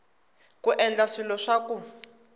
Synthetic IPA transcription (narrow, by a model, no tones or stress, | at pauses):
kuʔɛnd͡ɮaʂilɔʂaku